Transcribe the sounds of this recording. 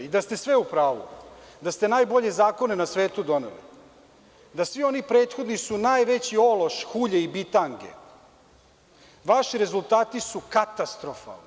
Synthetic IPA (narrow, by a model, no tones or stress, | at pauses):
id̪ast̪e̞sʋe̞upɾaːʋṵd̪ast̪e̞naːjbo̞ʎe̞zaːko̞nenasʋe̞ːt̪ud̪o̞nḛlḭ | d̪asʋio̞nipɾe̞ːt̪xo̞d̪nisunaːjʋe̞t͡ɕio̞lo̞ʃxuʎeibit̪aŋɡe̞̰ | ʋaʃiɾe̞zulˠt̪aːt̪isukat̪ast̪ɾofa̰lni